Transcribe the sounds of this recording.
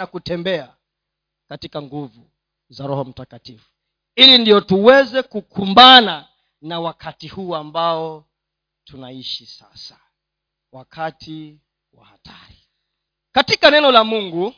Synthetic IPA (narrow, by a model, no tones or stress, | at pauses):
akutɛmbɛa | katikaŋɡuvu | zaɾɔhɔm̩takatifu̥ | ilindijɔtuwɛzɛkukʰumbana | nawakʰatihuːambaɔ | tʰunaiʃisasḁ | wakʰatʰi | wa̰hatʰaɾi | katikanɛnɔlamuŋɡu